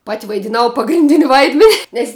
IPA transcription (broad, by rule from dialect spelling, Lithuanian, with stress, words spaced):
pɐtʲ ʋɐɪdʲɪˈnɐʊ pɐɡrʲɪnʲˈdʲɪnʲ ˈʋɐɪdʲmʲɛnʲ ˈnʲɛs